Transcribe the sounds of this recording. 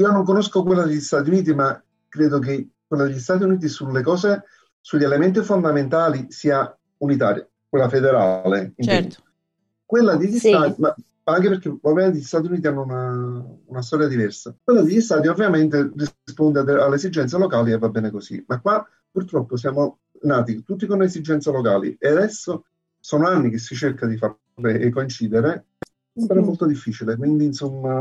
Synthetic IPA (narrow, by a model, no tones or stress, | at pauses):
iːonoŋkonoskok̬welːad̪eʎːist̪at̪̬iuniːt̪̬ima | kːɾeːd̪ok̬ekwelːad̪eʎːist̪aːt̪̬iuniːt̪̬isulːekɔːse | suʎːelement̪ifond̪ament̪aːlisiːa | unit̪̬a̰ːɾja̰ | kwelːafed̪eɾa̰leint̪ɛ̰n | kwelːad̪eʎːist̪aːt̪ima | aŋkeperk̟evalvment̪eʎːist̪aːt̪̬juniːt̪ianːounaunast̪ɔːɾjad̪ivɛrsakwelːad̪ijist̪aːd̪iovːjament̪erispond̪eealːesid͡ʒɛnt̪s̬alokaːlievːabːɛːnekosḭmakːwa | purt̪ɾɔpːos̬jaːmo | naːt̪it̪ut̪ːikonesid͡ʒːɛnt̪salokaːlḭead̪ɛsːo | sɔːnoanːikesːit͡ʃerkad̪ifa | ɾeekːoint͡ʃiːd̪eɾe | saɾamolt̪od̪ifːiːt͡ʃilekwind̪insomːa